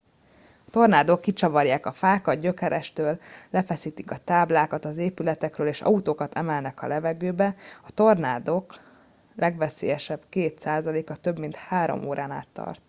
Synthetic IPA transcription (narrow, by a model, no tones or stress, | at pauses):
ɒt̪o̞rnaːd̪okːit͡ʃɒvɒrjaːkɒfaːkɒd̪̚ɟø̞kɛɾʔɛʃt̪øːlːɛfɛsiːt̪ikɒt̪aːblaːkɒt̪ɒzeːpylɛt̪ɛkrøːleːʃɒ̰ut̪oːkɒt̪ʰɛmɛlnɛkɒ̰lɛvɛɡøːbɛɒt̪o̞rnaːd̪o̞k | lɛɡʋɛsḛːjɛʃɛb̥keːt̪saːzɒleːkɒt̪ø̞bmint̪haːɾo̰moːɾʔaːna̰ːt̪ːɒ̰rt̪